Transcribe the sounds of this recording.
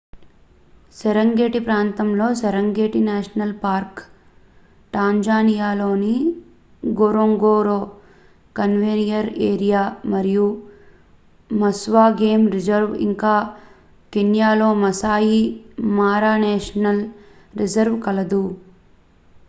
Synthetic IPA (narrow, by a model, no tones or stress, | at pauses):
sɛɾɐŋɡeːʈipɾaːnt̪ɐmlo̞ːsɛɾɐŋɡeːʈinaːʂɐnɐlpaːɾk | ʈaːɲd͡ʒaːnijaːloːni | ɡoːɾoŋɡoːɾoː | kɐnʋenijɐɾeːɾijaːmɐɾiju | mɐsʋaːɡeːmɾid͡ʒɐɾʋḭŋkaː | kenjaːlo̞ːmɐsaːjimaːɾaːneːʂɐnɐl | ɾid͡ʒɐɾʋkɐlɐd̪u